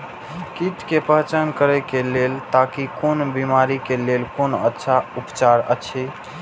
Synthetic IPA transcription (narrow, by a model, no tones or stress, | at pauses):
kit̪kepəɦt͡ʃənkəɾɛkelelt̪akikonbimaɾikelelkonətːʃʰaupt͡ʃaɾə̰t͡ʃʰi